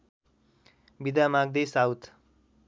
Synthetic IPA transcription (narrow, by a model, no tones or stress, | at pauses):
bid̪amaɡ̚d̪esawt̪ʰ